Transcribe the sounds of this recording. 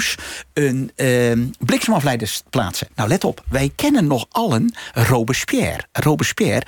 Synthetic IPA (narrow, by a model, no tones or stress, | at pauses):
sən | blɪksmɔflɛjdəspla̰ːtsənawlɛtɔpʋɛjkʰɛnənːɔxɑlˠənrowbəspjɛ̰ːrrowbəspjɛːr